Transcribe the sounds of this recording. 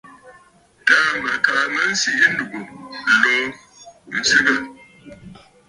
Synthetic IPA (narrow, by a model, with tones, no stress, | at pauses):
ta˦ma˨ka˨ma˦n̩˦si˨ʔi˦n̩˦du˨ʔo˨lo˦ | n̩˨si˦ɡa˨